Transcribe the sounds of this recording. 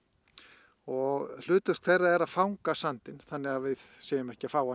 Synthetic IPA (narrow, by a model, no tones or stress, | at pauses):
ɔɣl̥ʏːt̪ʏr̥kʰθɛjrːaɛɾaðfawŋkasant̪ɪnθanːɪɣaðvɪðseːjʏmɛhcɪafaːwa